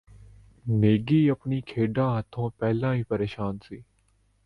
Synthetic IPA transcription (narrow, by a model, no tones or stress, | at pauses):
meːɡiːəpniːkʰeːɖãːɦət̪ʰõːpɛːlãːĩːpəɾeːʃaːnsiː